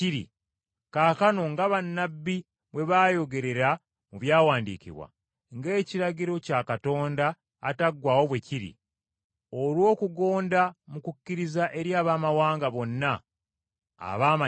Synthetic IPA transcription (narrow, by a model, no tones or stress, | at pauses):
iɾḭ | kakano̞ŋɡaβanːabːi | βwe̞βaːjo̞ɡe̞ɾe̞ɾa | muβjaːwaːndḭcḭβwa̰ | ŋɡe̞ːciɾaɡiɾo̞cakato̞ːndaː | taɡːwaːwo̞βwe̞ciɾḭ | olwo̞ːkuɡo̞ːndamukucːiɾizaʔe̞ɾjaːβaːmawaːŋɡaβo̞nːa̰ː | βaːma